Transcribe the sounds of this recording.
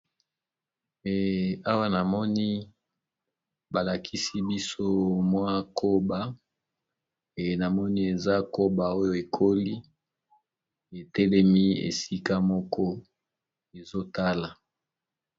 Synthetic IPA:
e˨a˦wa˦na˨mɔ˦ni˦ | ba˨la˨kʰi˦si˦bi˦so˦mwa˦kʰo˦ba˨ | e˨na˨mɔ˦ni˦e˨za˦ko˦ba˨o˦jo˨e˨kʰo˦li˦ | e˨tɛ˦lɛ˦mi˦ḛ˨si˦ka˦mɔ˦kʰɔ˦ | e˨zo˦ta˦la˨

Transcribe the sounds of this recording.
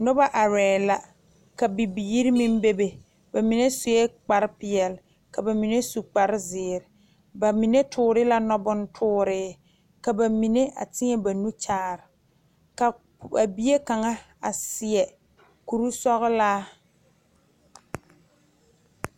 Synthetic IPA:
nʊ˦ba˦ʔa˨ɾɛː˨la˨ | ka˨bi˨bi˨ji˦ɾi˦mi˦m˦be˦be˨ | ba˨mi˨ne˦sʊ˨jɛ˦k͡pa˨ɾɪ˦pɪ˨ɛ˨l | ka˨ba˨mi˨ne˦su˨k͡pa˨ɾɪ˦zɪː˨ɾɪ˨ | ba˨mi˨ne˦tʰʊː˦ɾɪ˦la˦nɔ˦bʊ˦n˦tʰʊː˦ɾɪː˦ | ka˨ba˨mi˨ne˦ʔa̰˨tɪ˦ŋɛ˦ba˨nu˦t͡ʃaː˦˨ɾɪ˨ | ka˨ | a˨bi˦je˦ka˨ŋa˦ | a̰˨sɪ˨ɛ˨ | ku˨ɾu˦sɔ˦ɣɪ˦laː˦

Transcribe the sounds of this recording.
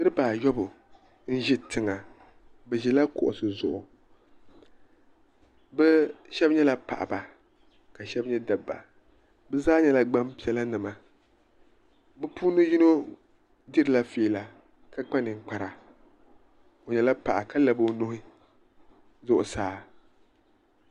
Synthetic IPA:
nɨ˦ɾɨ˦paː˨jɔ˦bʊ˨ | n̩˦ʒɛ˦tɨ˨ŋa˨ | bɛ˨ʒɛ˨la˦kʊ̰˨ʔʊ̰˨sɨ˨zʊ̰˨ʔʊ˨ | bɛ˦ʃɛ˦bɲɛ˦la˦pa̰˨ʔa̰˨ba˨ | ka˨ʃɛ˦bɲɛ˦da˨bːa̰˨ | bɛ˦zaː˦ɲɛ˦la˦ɡ͡ba˦mpi˦ɛ˦la˦nɨ˨ma˨ | bɛ˦puː˦nɨ˦ji˦no˦ | dɪ˦ɾɨ˨la˦feː˨˦˨la˨ | ka˦k͡pa˦nɨ˨ŋ͡m̩˨k͡pa˨ɾa˨ | o˨ɲɛ˨la˦pa˨ʔa˨ka˦la˨bo˦nʊ˦hɪ˦ | zʊ˨ʔʊ˨saː˨˦˨

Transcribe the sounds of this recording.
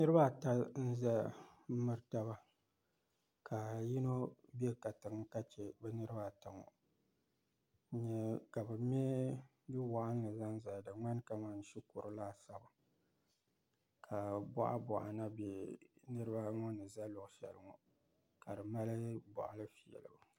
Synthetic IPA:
nɨ˦ɾɨ˦ba˦˨ta˦n̩˦za˦mɨ˦ɾɨ˦ta˦ba˦ | kʰa˨ji˦no˦bɛ˦˨ka˨tɨ˨ŋ˦ka˦t͡ʃɛ˨bɛ˦nɨ˦ɾɨ˦ba˦˨ta˨ŋɔ̰˨˦ | ɲɛ˦ka˨bɨ˨m˦ɛ˦ | bi˦wa˨ʔa˦n˦lɨ˨za˦nza˨dɨ˨ŋ͡ma˦n˦ka˦˨ma˨n̩˦ʃi˦ku˨ɾɨ˦laː˦˨sa˦ba˨ | kʰa˨bɔ̰˦ʔa̰˦bɔ̰˨ʔa̰˨na˦bɛ˨nɨ˦ɾɨ˦ba˦ŋɔ˦nɨ˨za˦lʊ˨ʔʃɛ̰˨lɨ˨ŋɔ˨ | ka˨dɨ˨ma˦lɨ˦bɔ̰˨ʔa˨lɨ˦fi˨jɛ̰˨lɨ˨b

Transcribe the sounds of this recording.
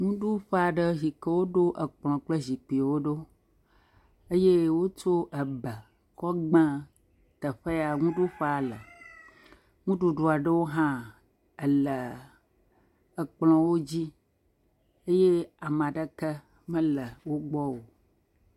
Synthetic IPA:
ŋũ˦ɖu˦ɸa˨ɖə˦zi˨kə˦wo˦ɖo˦ʔə˨k͡plɔ̃˨k͡plə˦zi˨k͡pi˨wo˦ɖo˦ | ə˦je˦wo˦t͡ʃo˦ʔə˨bə˨ | kɔ˦ɡ͡bã˦ | t̪ə˨ɸe˦a˨ŋũ˦ɖu˦ɸa˨lə˨ | ŋũ˦ɖu˨ɖo˨a˨ɖə˦wo˦ɦã˦ | ə˨lə˨ | ə˨k͡plɔ̃˨wo˦d͡ʑi˦ | ə˦je˦a˨mã˨ɖə˦kə˦ | mə̃˦lə˨wo˦ɡ͡bɔ˦wo˨

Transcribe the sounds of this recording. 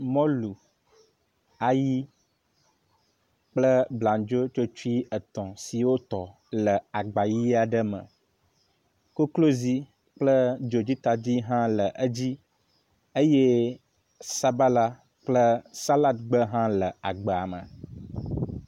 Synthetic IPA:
mɔ̃˦lu˨ | a˨ji˦ | k͡plə˦blã˨d͡ʒo˦t͡ʃo˦t͡ʃu˦i˦ə˨t̪ɔ̃˨si˨wo˦t̪ɔ˨ | lə˨a˨ɡ͡ba˨ji˦a˨ɖə˦mə̰̃˨ | ko˦klo˦zi˦ | k͡plə˦d͡ʒo˨d͡ʑi˦t̪a˨d͡ʑi˦ɦã˦lə˨ʔə˦d͡ʑi˦ | ə˦je˦ | sa˦ba˦la˦ | k͡plə˦sa˦la˦t̪ɡ͡bə˦ɦã˦lə˨a˨ɡ͡bə˨a˨mə̰̃˨

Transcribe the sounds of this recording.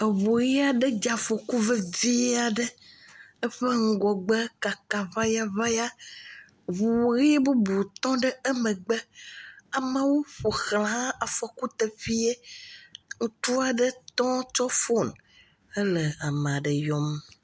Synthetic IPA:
ə˨βo˨ɣi˦a˨ɖə˦d͡ʒa˨fo˨ku˦və˦di˦a˨ɖə˦ | ə˦ɸə˦ŋ̩˦ɡɔ˨ɡ͡bə˦ka˨ka˨va˦ja˦va˦ja˦ | βu˨wɣi˦bu˦bu˨t̪ɔ̃˦ɖə˦ə˦mə̃˨ɡ͡bɛ˦a˨mə˦wo˦ɸo˨xlã˨˦ɦã˦a˨fɔ˨ku˦t̪ə˨ɸi˦e˦ | ŋũ˦t̪u˦a˨ɖə˦t̪ɔ̃˦t͡ʃɔ˦fo˦˨n | ə˦lə˨a˨m˨a˨ɖə˨jɔ˦m

